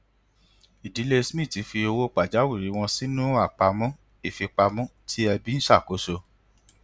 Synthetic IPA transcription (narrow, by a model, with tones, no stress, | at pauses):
i˨di˨˦le˦˧smĩ˦˨ti˨˦fi˧o˧wo˦k͡pa˨d͡ʒa˨˦wi˦˨ɾi˨˦w̃ɔ̃˧si˦nũ˦a˦˨k͡pa˧mũ˦ | i˦˨fi˧k͡pa˧mũ˦tʰi˦ɛ˧bi˦ñ̩˦ʃa˦˨ko˨˦so˧